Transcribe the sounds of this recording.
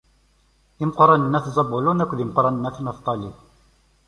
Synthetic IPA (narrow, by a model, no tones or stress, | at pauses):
imqɾˤɑnənːæθzˤɑbulunækʷːðimqɾˤɑnənːæθmɑθt̪ˤːɑli